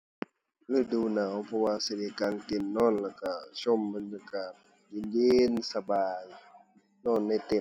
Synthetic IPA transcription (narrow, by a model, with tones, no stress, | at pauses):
lɯː˧˩˨duː˧na˨˦wpʰɔ˧waː˧sa˧˨deː˧˨kaː˧ŋt̪e˧˩nːɔː˧˥˨nlɛː˧˩ka˧˩sʰo˧˨mːɯ˧˨nlɯ˧˨ka˧˩ | ji˧˨njeː˧˦˥nsa˧baː˨j | nɔː˧˥˨nːa˧˩jt̪e˧˩˨